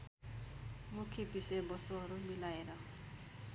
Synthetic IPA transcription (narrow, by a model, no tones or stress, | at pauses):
mukʰepisebʌst̪uɦʌɾumilaeɾʌ